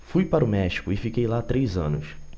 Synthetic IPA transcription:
fujpaɾʊmɛʃi̥kʊɪfikejlat̪ɾejzɐ̃nʊs

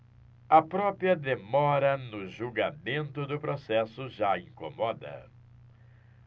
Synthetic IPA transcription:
ɐpɾɔpɾiɐd̪emɔɾɐnʊʒuɡamẽnt̪ʊd̪ʊpɾosɛsʊʒaĩkomɔd̪ɐ̰

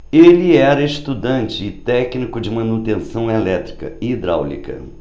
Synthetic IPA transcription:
elɪɛɾɐiʃt̪ud̪ɐ̃nt͡ʃɪːt̪ɛknikʊd͡ʒɪmɐ̃nut̪ẽsɐ̃w̃elɛt̪ɾi̥kɐ̰ɪːd̪ɾa̰wlḭkɐ̰

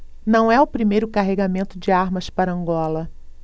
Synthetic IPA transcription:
nɐ̃w̃ɛʊpɾimejɾʊkaɦeɡamẽnt̪ʊd͡ʒɪaɾmɐspaɾɐɐ̃ŋɡɔlɐ

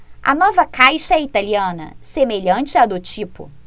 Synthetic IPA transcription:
ɐ̰nɔvɐkajʃɐɛit̪aliɐ̃nɐ̰semeʎɐ̃t͡ʃɪad̪ʊt͡ʃipʊ̰

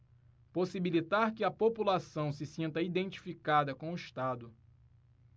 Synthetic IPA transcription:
posibilit̪aɾkɪɐpopulasɐ̃w̃sɪsĩnt̪ɐid̪ẽnt͡ʃi̥fikad̪ɐkõʊiʃt̪ad̪ʊ

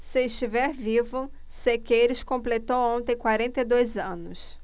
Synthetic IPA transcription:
sɪːʃt͡ʃivɛɾvivʊ | sekejɾɪskõmplet̪owõnt̪ẽj̃kwaɾẽnt̪ed̪ojzɐ̃nʊs

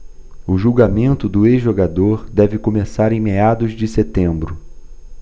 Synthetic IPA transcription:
ʊʒuwɡamẽnt̪ʊd̪ʊezʒoɡad̪oɾd̪ɛvɪkomesaɾẽj̃mead̪ʊzd͡ʒɪset̪ẽmbɾʊ

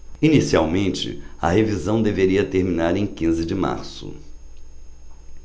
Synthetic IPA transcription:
inisiawmẽnt͡ʃɪ̰ɐ̰hevizɐ̃w̃d̪eveɾiɐt̪eɾmĩnaɾẽj̃kĩzɪd͡ʒɪma̰ɾsʊ̰

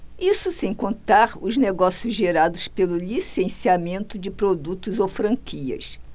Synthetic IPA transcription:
isʊsẽj̃kõnt̪aɾʊzneɡɔsiʊzʒeɾad̪ʊspelʊlisẽsiamẽnt̪ʊd͡ʒɪpɾod̪ut̪ʊzowfɾɐ̃ŋkʰiɐ̰s

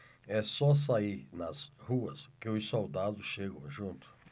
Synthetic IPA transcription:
ɛsɔs̬aiɾnɐshuɐskɪʊsowd̪ad̪ʊʃeɡõʒũnt̪ʊ̥

